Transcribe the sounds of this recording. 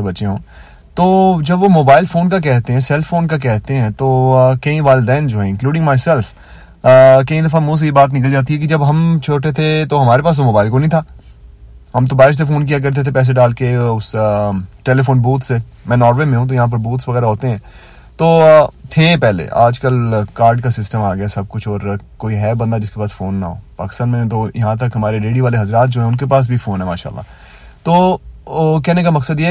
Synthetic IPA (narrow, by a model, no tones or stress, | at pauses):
bɐtːʃeɦõː | t̪oːd͡ʒɐbʋomoːbaːɪlfoːnk̬ak̬ɛɦt̪eɦɛ̃sɛlfoːnkak̬ɛɦt̪eɦɛ̃t̪oːkɐĩʋaːld̪ɛːnd͡ʒoːɦɛ̃ɪ̃nkluːɖɪ̃ŋɡmaːɪsɛlf | kɐĩd̪ɐfamũs̬ejebaːt̪nɪk̬əld͡ʒaːt̪̬iɦɛkid͡ʒɐbɦɐmt͡ʃʰoːʈet̪ʰet̪oɦɐmaːɾepaːs̬ʋomoːbaːɪlkonɐ̃ĩt̪ʰaː | ɦɐmt̪̬obaːɾɪʃs̬efoːnk̬ijak̬ɐɾt̪̬et̪ʰepɛːs̬eɖaːlkeʊs | ʈeːlefoːnbuːt̪semɛ̃ːnɔːɾʋemẽɦũt̪ojɐɦãːp̬ɐɾbuːt̪sʋɐɣɛːɾaɦoːt̪eɦɛ̃ː | t̪oːt̪ʰepɛɦlḛʔa̰ːd͡ʒkəlkaːɾɖkasɪsʈəmaːɡɐjasɐb̚kʊt͡ʃʰɔːɾkoːiɦɛːbɐ̃nd̪ad͡ʒɪskebaːd̪foːnːa̰ɦo̰ːpa̰ːkɪ̥st̪aːnmẽt̪ojɐɦãt̪̬ɐkɦɐmaːɾeɾeːɽiʋaːleɦɐzɾaːt̪̚d͡ʒoːɦɛ̃ʊnkepaːs̬bʱifoːnɦɛmaːʃa̰ːlːa̰ː | t̪oː | k̬ɛːnekamɐksəd̪jeː